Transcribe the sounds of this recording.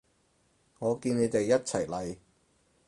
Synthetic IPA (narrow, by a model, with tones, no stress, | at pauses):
ŋɔː˨˧kiː˧ne˨˧jt̪e˨jːɐ˥t̚t͡sʰɐ˨˩jlɐ˨j